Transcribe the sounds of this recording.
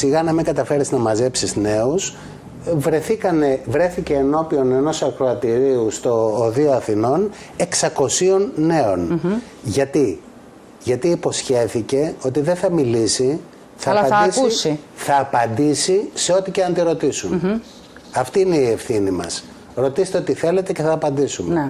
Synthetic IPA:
siɣɐnɐmiŋɡɐt̪ɐfe̞ɾiznɐmɐze̞psizne̞us | vɾe̞θikɐne̞vɾe̞θice̞ːno̞pio̞ne̞no̞sɐkɾoɐt̪iɾiust̪o̞ːðio̞ɐθino̞n | e̞ksɐko̞sio̞nːe̞o̞n | ʝɐt̪i | ʝɐt̪iːpo̞sçe̞θice̞o̞t̪iðeθɐmilisi | θɐlpɐd̪isuisiθɐːpɐnd̪isise̞o̞t̪iceɐnt̪iɾo̞t̪isun | ɐft̪iine̞ie̞fθinimɐ̰s | ɾo̞t̪iset̪eo̞t̪iθe̞le̞t̪eceθɐːpɐnd̪isum

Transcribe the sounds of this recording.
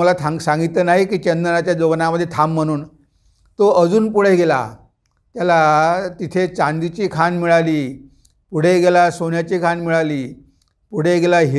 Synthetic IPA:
əlat̪ʰasãŋɡit̪lənaɦikiːt͡ɕənd̪ənat͡ɕjad͡zoʋnaməd̪ʱːjet̪ʰamːəɽ̃uːn | t̪oəd͡zuːnpuɽ̤eɡela̰ | t̪jalat̪it̪ʰet͡ɕãnd̪it͡ɕiːkʰanmiɭaliː | puɽ̤eɡelasonjat͡ɕiːkʰanmiɭaliː | puɽ̤eɡelaɦi

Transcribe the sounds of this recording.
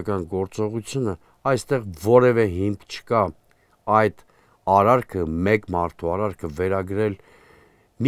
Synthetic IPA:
kɑnɡɔɾt͡sɔʁut͡sʰjunə | ɑjst̪ɛʁvɔɾɛvɛɦimkʰt͡ʃʰə̥kɑ | ɑjd̪̥ | ɑɾɑɾkʰəmɛkmɑɾt̪ʰuɑɾɑɾkʰəvɛɾɑɡɾɛl | mi

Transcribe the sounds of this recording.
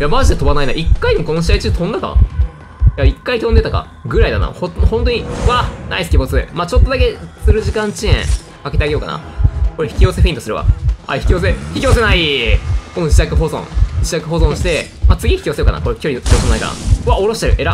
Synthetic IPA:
jamaʑid̪e̞t̪o̞banaina̰ʔikːainemoko̞noɕiait͡ɕiɨt̪õnd̪aka̰ | jaikːait̪õnd̪e̞t̪aka̰ | ɡɯ̟ɾaid̪a̰na̰hohont̪o̞ɲiβana̰isɨ̥kʲibo̞t͡sɨmaːt͡ɕo̞t̪ːod̪ake̞sɨɾɯ̟ʑikãɲ̟t͡ɕiẽ̞̰ | ake̞t̪eaɡeo̞ka̰na̰ko̞ɾeçi̥kʲio̞se̞ɸɯ̟ĩnt̪osɨɾɯ̟βa̰a̰çi̥kʲio̞ːs̬eçi̥kʲio̞s̬e̞naiko̞no̞d͡ʑit̪akɯ̟ɦo̞zõ̰ŋd͡ʑit̪akɯ̟ɦo̞zõɕi̥t̪e̞ | maːt͡sɨɡʲiçi̥kʲio̞seo̞kana̰ko̞ɾekʲo̞ɾii̥iosenaika̰na̰βao̞ɾo̞ɕi̥t̪eɾɯ̟ʔe̞ɾa

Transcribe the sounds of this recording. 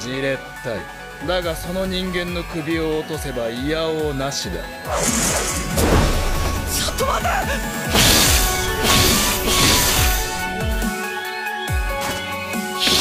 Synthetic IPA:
d͡ʑiɾe̞t̪ːaḭ | d̪aɡaso̞no̞ɲ̟ĩŋɡẽ̞nːo̞kɯ̟bʲio̞ːt̪o̞se̞baijaonaɕid̪a̰ | sot̪ːomad̪a

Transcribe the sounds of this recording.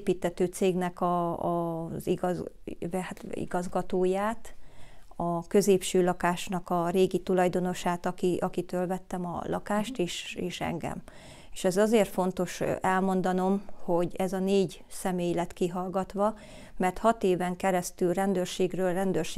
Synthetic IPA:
piːt̪ːɛt̪øːt̪seːɡnɛkɒ | ziɡɒ | ḭɡɒzɡɒt̪oːjaːt̪ | ɒkøzeːpʃøːlɒkaːʃnɒkɒɾeːɡit̪ulɒjd̪o̞no̞ʃaːt̪ɒkiʔɒkit̪øːlvɛt̪ːɛmɒ̰lɒ̰kaːʃt̪eːʃeːʃɛ̰ŋɡɛ̰m | eːʃɛzɒzeːrt̪fo̞nt̪o̞ʃɛlmo̞nd̪ɒno̞mho̞ɟɛzɒneːɟ | sɛmeːjlɛt̪kiɦɒlɡɒt̪ʋɒ | mɛrt̪hɒt̪eːvɛŋkɛɾɛst̪ylrɛnd̪øːrʃeːɡrøːlrɛnd̪øːrʃ

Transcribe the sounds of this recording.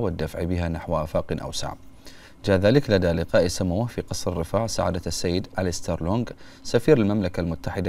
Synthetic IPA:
wɪd̪ːafʕbɪɦanaħwʔaːfaːqɪnʔa̰wsa̰ʕb | d͡ʒaːðaːlɪklad̪alɪqɑːʔisamawfiqɑsˤɾɪrːɪfaːʕsaʕa̰ːd̪asːajːɪd̪ʔalɪst̪aɾloːŋɡ | safiːɾalmamlakalmʊt̪ːaħɪd̪a

